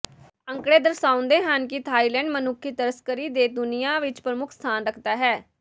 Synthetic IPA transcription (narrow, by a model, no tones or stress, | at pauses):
əŋkɽeːd̪əɾsaːʊ̃nd̪eːɦənkɪt̪ʰaːiːlɛ̃ːɳɖmənʊkʰːit̪əɾəskəɾiːd̪eːd̪ʊnijãːʋɪt͡ʃpɾəmʊkʰst̪ʰaːnɾəkʰd̪aːɦɛː